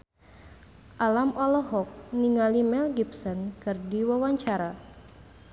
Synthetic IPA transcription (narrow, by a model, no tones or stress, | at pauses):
ʔalamɔlɔɦɔk̚niŋalimɛlɡipsɔnkɨrdiwawaɲt͡ʃaɾa